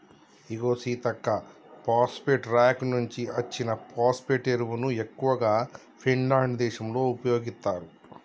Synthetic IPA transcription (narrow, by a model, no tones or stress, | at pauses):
iɡo̞ːsiːt̪ɐkːɐ | paːspeʈɾaːknuɲt͡ʃiɐt͡ʃːinɐpaːspeʈeɾʋunue̞kːuʋɐɡaː | pʰiɳlaːɳɖd̪ɛːʃɐmlo̞ːupɐjo̞ːɡist̪aːɾu